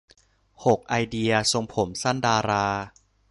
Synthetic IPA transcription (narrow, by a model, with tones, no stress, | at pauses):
ho˨˩k̚ʔa˧jdi˧ɐso˧ŋpʰo˩˦msa˥˩ndaː˧ɾaː˧